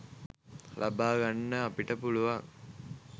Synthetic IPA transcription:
lʔabaːɡɐnːəɐpiʈəpuluʋaŋ

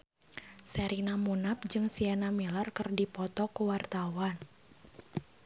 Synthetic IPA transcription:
sɛɾinamunap̚d͡ʒɨŋsianamilarkərdipɔt̪ɔkuwart̪awan

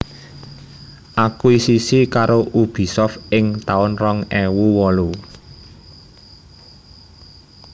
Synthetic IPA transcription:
ʔakuisisikaɾoʔub̥i̤sɔfɪŋt̪aʊnrɔŋɛwuwɔlu

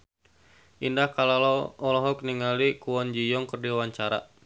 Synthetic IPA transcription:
ʔindahkalalɔːlɔɦɔkniŋalikuwɔnd͡ʒijɔŋkərdiwaɲt͡ʃaɾa̰

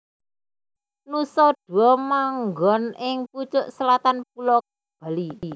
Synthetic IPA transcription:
nusɔɖ̥ṳɔmaŋɡɔnɪŋput͡ʃʊʔsəlat̪anp̚ulɔk̚ | b̥a̤li

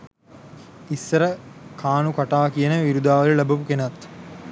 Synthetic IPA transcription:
isːɐɾəkʰaːnukɐʈaːkijənəʋiɾud̪aːʋɐɾilɐbɐpukenɐt̪

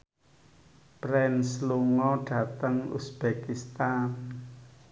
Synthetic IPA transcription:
pɾɛnsluŋɔɖ̥ä̤t̪əŋṵsb̥ekist̪an

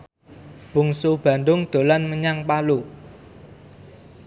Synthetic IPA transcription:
b̥ṳŋsub̥ä̤nd̪ʊŋd̪̥o̤lanməɲaŋpalu

